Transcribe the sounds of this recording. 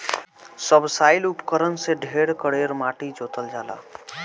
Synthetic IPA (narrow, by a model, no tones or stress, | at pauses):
səbsaːɪlupkəɾənseɖʱeːɽkəɽeɾmaːʈid͡ʒoːt̪əld͡ʒaːla̰ː